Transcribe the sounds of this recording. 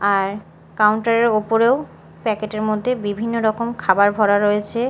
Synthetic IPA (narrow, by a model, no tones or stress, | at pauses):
aɾ | kawɳʈaɾeɾopoɾew | pɛkeʈeɾmod̪ʱːebibʱinːoɾɔkomkʰabaɾbʱɔɾaɾojet͡ɕʰe